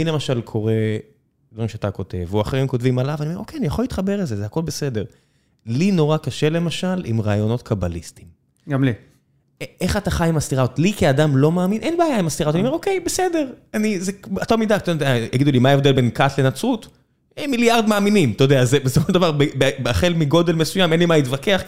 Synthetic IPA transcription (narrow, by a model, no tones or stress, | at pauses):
ilemaʃalkʰo̞ʁe̞ | odʁimʃeat̪ako̞te̞vuaχeʁimkotvimalavaniomeo̞kejanijaχolit̪χabe̞ʁelzezeako̞lbese̞de̞ʁ | lino̞ʁakaʃe̞le̞maʃalḭmʁaːjo̞no̞tkʰabalistim | ɡamli | eχataχajimastiʁaot̪likiadamlo̞maːminʔenbeajaimast̪iʁaotanioeokejbesede̞ʁanizeat̪olmidakt̪odajaɡid̪ulimaevd̪elbe̞nkatle̞nat͡sut̪ | emiljaʁd̪maːminimt̪ood̪eazebesofoʃd̪avaʁbebebeaχe̞lmiɡo̞d̪e̞lmesujame̞nlimait̪vake̞aχ